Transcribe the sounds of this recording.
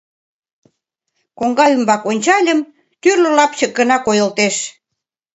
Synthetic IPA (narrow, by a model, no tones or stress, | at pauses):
koŋɡɑymbɑkonʲt͡ɕɑlʲə̆m | t̪yrlə̆lɑpt͡ɕə̆ɡə̆nɑkojə̆lt̪eʃ